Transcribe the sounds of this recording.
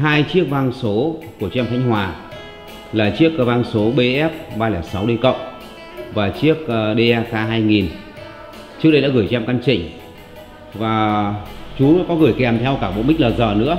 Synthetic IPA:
ɦaː˧jt͡ɕi˦˥ək̚va˧nso˨˦ku˧˩ət͡ɕɛ˧mxʰa˨˧˦jŋ̟hwaː˨˩ | laː˨˩t͡ɕi˦˥ək̚va˧nso˨˦ɓe˧ʔɛ˦˥p̚ɓaː˧laː˨˩sa˨˦wɗe˧kə̰˧˨wŋ͡m | vaː˨˩t͡ɕi˦˥ək̚ɗe˧ʔaː˧kaː˧ɦaː˧jŋi˨˩n | t͡ɕɨ˦˥k̚ɗə˧jɗa̰ː˧˥ɣɨ˧˩jt͡ɕɛ˧mka˧nt͡ɕï˧˨˩ŋ̟ | vaː˨˩ | t͡ɕu˨˦˧kɔ˨˦ɣɨ˨˩əjkɛ˨˩mt̪ʰɛ˧wkaː˧˩ɓo̰˧˨nmï˦˥k̚laː˨˩zəː˨˩nɨ̰˧˥ə

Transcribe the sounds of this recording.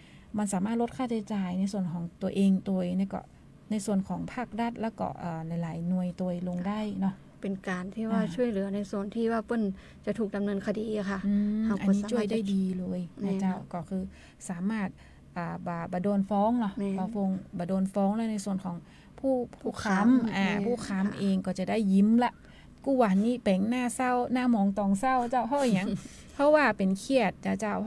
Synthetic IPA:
ma˧nsaː˨˦maː˥˩t̪̚lo˦˥t̪̚kʰaː˥˩t͡ɕa˧t͡ɕaː˨˧jna˧˥jsu˧˩ənkʰɔː˨˩˦ŋt̪u˧əʔeː˧ŋt̪u˧əjna˧˥˩kɔ̰˧˩ | na˧˥jsu˧˩ənkʰɔː˩˦ŋpʰaː˥˩k̚da˧˩t̪̚lɛː˦˥˩wkɔ̰˧˩ʔaː˨˩la˧˦jlaː˨˩˦jnu˧˨əjt̪u˧əjlo˧ŋda˥˩jnɔ˧˩ | pe˨nkaː˨˩nt̪ʰiː˥˩wwaː˧˩t͡ɕʰu˥˩əjlɯ˨˩˦ɐna˧˩jsu˧˩ənt̪ʰiː˧˩waː˧˩pɤ˧˥˨n | t͡ɕa˧˩t̪ʰuː˨˩k̚da˨mnɤː˧nkʰa˧diː˨˧a˧kʰa˧˩ʔɯː˧ha˧˨ʔa˨n˧iː˦˨t͡ɕu˥˩˧əjdaː˥˩jdiː˧lɤː˧jʰa˧˩t͡ɕa˧˩wkɔː˧˩kʰɯː˧ | saː˨˦maː˧˥˩t̪̚ | ʔaː˨˩baː˨˩baː˨˩doː˧nfɔː˧˥˨ŋnɔ˧˩baː˧˩fo˧ŋbaː˨˩doː˧nfɔː˧˥˨ŋlɤː˧˥˨jna˧˩jsu˨˧˩ənkʰɔː˨˦ŋ | pʰuː˧˥˩pʰuː˧˥˩kʰa˧˥mʔaː˧˩pʰuː˧˥˩kʰa˧˥˨mʔeː˧ŋkɔː˧˩t͡ɕa˧˩da˥˩˨jːi˧˦mla˧˥ʔ | kuː˧˩wa˧˩˨nːiː˧˥˩pɛ˨˦ŋnaː˧˥˩sa˧˥˩wnaː˧˥˨mɔː˨˦ŋt̪ɔː˨˩ŋsa˧˩˨wt͡ɕaː˧˩wɦʰa˧˩ʔɲa˧˦ŋ | pʰɔ˧˥waː˧˩pe˨nkʰi˧˩ət̪̚t͡ɕa˧˩t͡ɕa˧˩w

